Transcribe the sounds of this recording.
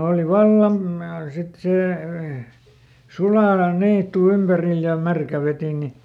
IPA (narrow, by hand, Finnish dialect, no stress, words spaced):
oˑli ʋɑlːɑm mɑ sit seˑ suɑːlɑn niːtːu ympæril jɑ mærkæ ʋetine